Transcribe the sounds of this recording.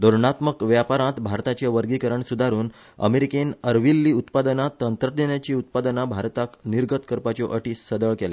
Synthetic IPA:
d̪oɾɳat̪məkʋjapaɾãt̪bʱaɾt̪at͡ɕeʋəɾɡikəɾəɳsud̪ʱaɾuːn | ə̰meɾikenəɾʋilːiːut̪pad̪ənat̪ənt̪ɾəd̪enjat͡ɕiːut̪̚pad̪ənabʱaɾt̪akniɾɡət̪kəɾpat͡ɕɔʔəʈiːsəd̪əɭkɛla̰

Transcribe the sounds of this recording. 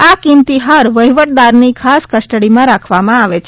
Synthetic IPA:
akimt̪iɦaɾʋəɦiʋəʈ̚d̪aɾnikʰaskəsʈəɽimãɾakʰʋamãaʋet͡ʃʰe

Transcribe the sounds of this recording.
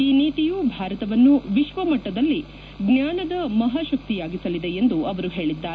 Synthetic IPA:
iːniːt̪ijubʱaːɾɐt̪ɐʋɐnːuʋiʃʋɐmɐʈːɐd̪ɐlːi | ɡnjaːnɐd̪ɐmɐɦaːʃɐk̚t̪ijaːɡisɐlid̪eend̪uɐʋɐɾuɦe̞ːɭid̪ːaːɾ

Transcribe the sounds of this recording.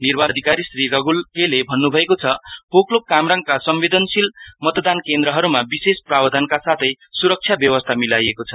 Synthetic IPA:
nirbʱad̪ʱikaɾisrirʌɡulkelebʱʌnːubʱʌekot͡sʰʌpoklokamraŋɡkasʌmbed̪ʌnsilmʌt̪d̪ankend̪ɾʌɦʌɾumabisesprabd̪ʱankasat̪ʰʌj | suɾʌk̚t͡ʃʰjabjʌwʌst̪ʰamilajekot͡sʰʌ

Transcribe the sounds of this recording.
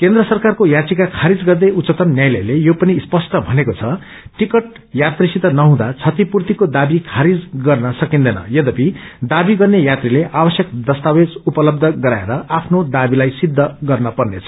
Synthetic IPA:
kend̪rʌsʌrkarkojatikakʰaɾid͡zɡʌrd̪ejut̪t͡sʌt̪ʌmnjajlʌ̰jlejopʌnispʌsʈʌbʱʌnekot͡sʰʌ | ʈikʌʈ̚ | jat̪risit̪ʌnʌɦũd̪at͡sʰʌt̪ipurt̪ikod̪abikʰaɾid͡zɡʌrnʌsʌkind̪ʌnʌ̰jʌd̪ʌpid̪abiɡʌrnejat̪rileʔabʌsjʌkd̪ʌst̪awed͡zupʌlʌbd̪ʱʌɡʌɾaeɾʌʔapʰnod̪abilajsid̪ʱːʌɡʌrnʌpʌrnet͡sʰʌ

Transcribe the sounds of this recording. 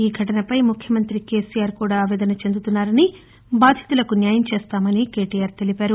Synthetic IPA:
iːɡʱɐʈɐnɐpɐjmukʰjɐmɐnt̪ɾike̞ːsijaːɾkuːɽaːʋɛːd̪ɐnɐt͡ʃe̞nd̪ut̪unːaːɾɐni | baːd̪ʱjɐ̥t̪ulɐkunjaːjɐmt͡ʃeːst̪aːmɐnike̞ːʈijaːɾt̪e̞lipaːɾu

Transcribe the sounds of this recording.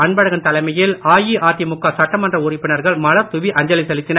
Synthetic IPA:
ɐɳbɐɽɐɣɐnt̪ɐlɐɪmɐjɪlaːjiʔaːt̪ːjɐmʊkːasɐʈːɐmɐndrɐʊrɪpːɪnɐɾɣɐɭmɐlɐɾt̪ʊʋiʔɐɲd͡ʒɐlɪsɛlɪt̪ːɪnɐ

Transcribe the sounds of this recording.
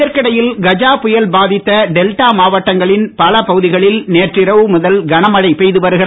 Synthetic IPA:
ɐɾkɐɽɐjɪlɡɐd͡ʒaːpʊjɐlbaːðɪt̪ːɐɖɛlʈaːmaːʋɐʈːɐŋɡɐɭɪnpɐlɐpɐɣɯðɪɣɐɭɪlneːʈrɪɾɐʋɯmʊðɐlɡɐnɐmɐɽɐɪpɛjðɯʋɐɾɣɪ

